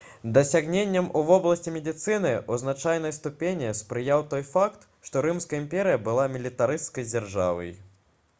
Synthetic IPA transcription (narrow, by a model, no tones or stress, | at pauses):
d̪ɐsʲaɣnʲenʲːɐmuvɔblˠɐsʲt͡sʲimʲɛd̪ʲit̪sɨnɨʔuznat͡ʂajn̪ɐjst̪upʲenʲispɾɨjawt̪ɔjfakt̪ | ʂt̪ɔɾɨmskɐɐimpʲɛɾɨjɐbɨlˠamʲilʲit̪aɾɨst̪kɐjd͡zʲarʐa̰vɐ̰j